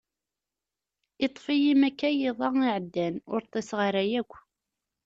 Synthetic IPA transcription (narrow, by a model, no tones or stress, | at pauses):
it̪ˤːfijimækːæjiðˤɑiʕəd̪ːænʊɾt̪ˤːesʁəɾæjækʷː